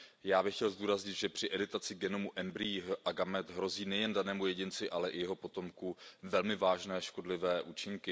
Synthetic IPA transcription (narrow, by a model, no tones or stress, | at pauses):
jaːbɪxcɛlzduːɾazɲɪt̪ʒɛpr̥ɪʔɛdɪt̪at͡sɪɡɛno̞muʔɛmbɾiʔaɡamɛt̪ɦɾo̞ziːnɛjɛndanɛːmujɛɟɪnt͡sɪʔalɛʔɪjɛɦo̞po̞t̪o̞mkuvɛlmɪvaːʒnɛːʃko̞dlɪvɛːʔuːt͡ʃɪŋkɪ